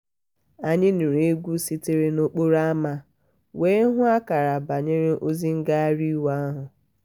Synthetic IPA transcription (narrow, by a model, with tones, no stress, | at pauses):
a˨ɲɪ˦n̩˨ɾe˨˦ɡʷu˦si˦tɪ˦ɾe˦no˦k͡po˦ɾa˦ma˦ | we˦ɦʊ˦a˦ka˨ɾa˨ba˨ɲe˦ɾɪ˦ʔo˦zi˦ŋ̩˦ɡa˦a˦ɾi˦wa˦a˦ɦʊ˨